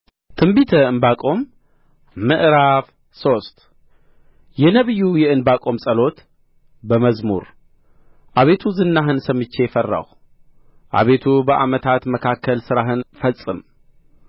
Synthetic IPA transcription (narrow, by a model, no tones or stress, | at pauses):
t̪ʰɨmbit̪ʰəɨnbakʼo̞mː | ɨʔɾaf | so̞st̪ | jɛnəβɨjːujɛɨnbakʼo̞msʼəlo̞t̪ | bəməzmṵɾ | ʔaβe̞t̪ʰuzɨnːaɦɨnsəmɨt͡ʃːe̞fərːa̰w | ʔa̰βe̞t̪ʰubəʔamət̪ʰat̪məkʰakʰːəlsɨɾaɦɨnfəsʼːɨm